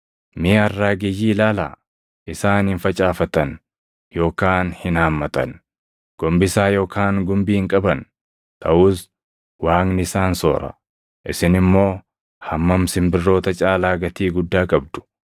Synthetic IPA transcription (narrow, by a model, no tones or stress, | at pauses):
mɪɐrːaːɡɛjːiːlaːla̰ː | ʔɪsaːnhɪnfɐt͡ʃʼaːfɐt̪ɐn | jo̞ːkaːnhɪnaːmːɐt̪ɐ̰n | ɡ̥ɔmbɪsaːjo̞ːkaːŋɡʊmbiːhɪŋkʼɐbɐn | t̪ʰɐʔuːs | waːŋnɪsaːnso̰ːɾɐ̰ | ʔɪsɪnɪmːo̞ː | hɐmːɐmsɪmbɪrːo̞ːt̪ɐt͡ʃʼaːlaːɡɐt̪iːɡʊd̪ːaːkʼɐb̚d̪̥ʊ̥